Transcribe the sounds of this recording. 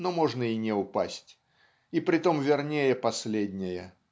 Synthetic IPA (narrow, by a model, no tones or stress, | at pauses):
nomo̞ʐnəinʲɪʊpasʲtʲ | ipɾʲɪt̪o̞mvʲɪrnʲejəpɐsʲlʲedʲnʲɪjə